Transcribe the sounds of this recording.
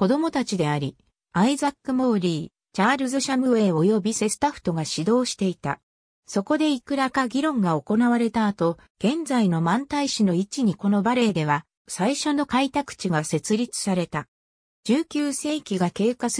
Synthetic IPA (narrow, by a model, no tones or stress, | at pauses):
ko̞d̪o̞mo̞t̪at͡ɕid̪e̞aɾʲi | aizakːɯ̟mo̞ːɾʲiː | t͡ɕaːɾɯ̟zɨɕamɯ̟βe̞ːo̞jo̞bʲise̞sɨ̥t̪aɸɯ̥t̪o̞ɡaɕid̪o̞ːɕi̥t̪e̞it̪a̰ | so̞ko̞d̪e̞ikɯ̟ɾakaɡʲiɾõ̞ŋɡao̞ko̞naβaɾe̞t̪aːt̪o̞ | ɡ̥ẽ̞nd͡zaino̞mãnt̪aiɕino̞it͡ɕiɲ̟iko̞no̞baɾe̞d̪e̞βa | saiɕo̞no̞kait̪akɯ̟̥t͡ɕiɡase̞t͡sɨɾʲit͡sɨ̥saɾe̞t̪a | d͡ʑɨːkʲɨːse̞ːkʲiɡake̞ːkas